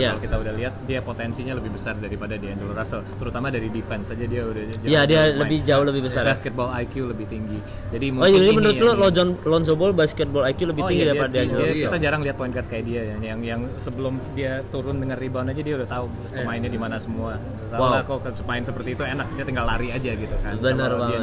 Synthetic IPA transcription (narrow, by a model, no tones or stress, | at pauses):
jaalokit̪audahliɦat̪̚diapot̪ɛnsiɲaləbɪhbəsardaɾipadadiaaɲd͡ʒulurasəlt̪əɾut̪amadaɾidifɛnsad͡ʒadiaudahd͡ʒjadialəbɪhd͡ʒaʊhləbɪhbəsarjbaskət̪̚bɔlajkjuləbɪht̪iŋɡi | d͡ʒadimod͡ʒəŋadimənuɾʊlɔlod͡ʒɔnlɔns̬obɔlbaskɛt̪̚bɔlakjuləbɪht̪iŋɡidapadiaɲakit̪ad͡ʒaɾaŋliɦat̪̚poɪnkat̪kajaʔdiajajaŋjaŋsəbəlʊmdiat̪uɾʊndəŋanːibanad͡ʒadiaudaht̪aʊ | səmaɪnɲadimanasəmua | t̪awawkoksəmaɪnsəpərt̪iːt̪uenak̚diat̪əŋɡalaɾiad͡ʒaɡit̪ukabənərwa